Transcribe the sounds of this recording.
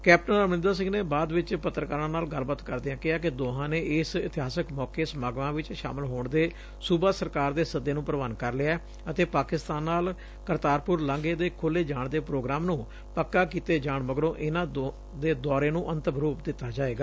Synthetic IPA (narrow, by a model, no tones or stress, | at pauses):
kɛːp̚ʈənəmɪ̃nd̪aːs̬ɪ̃ŋɡneːbaːd̪ʋɪt͡ʃpət̪ːɾəkaːɾãːnaːlɡəlbət̪kəɾd̪eãːkɪɦaːkɪd̪oːɦãːneːɪsɪt̪ɪɦaːsəkmɔːkeːsmaːɡʋãːʋɪt͡ʃʃa̰ːməlɦoːɳd̪eː | suːbaːsəɾkaːɾd̪eːsəd̪ːeːnũːpɾəʋaːnkəɾlɪaɛː | ət̪eːpaːkɪst̪aːnːaːl | kəɾt̪aːɾpʊɾlə̃ŋɡeːd̪eːkʰʊlːeːd͡ʒaːɳd̪eːpɾoːɡɾaːmnũː | pəkːaːkiːt̪eːd͡ʒaːɳməɡɾõːʔɪnãː | d̪eːd̪ɔːɾeːnũːʔənt̪əbəɾuːpd̪ɪt̪ːaːd͡ʒaːeːɡaː